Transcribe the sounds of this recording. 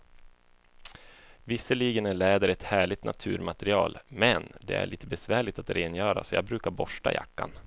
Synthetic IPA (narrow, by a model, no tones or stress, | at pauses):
vɪsːəɭiːɡənæɭɛːd̪əɾɛt̪hæːɭɪt̪nʔa̰t̪ʰʉ̟ːɾmat̪ɛɾɪɑːlmɛnd̪ɛ̰æ̰ɭiːt̪əbɛsvæːɭɪt̪at̪ɾeːnjœːɾa̰sɔjɑ̰ːɡ̚bɾʉ̟ːkaɾbɔʂʈa̰jʔa̰kːa̰n